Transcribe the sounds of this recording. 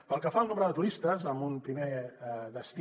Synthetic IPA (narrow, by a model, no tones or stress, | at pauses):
pəlˠkəfaəlˠnomɾəðət̪uɾist̪əzəmbunpɾimed̪əst̪